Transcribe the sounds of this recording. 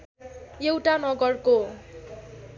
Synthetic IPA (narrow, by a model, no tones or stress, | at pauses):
jewʈanʌɡʌrko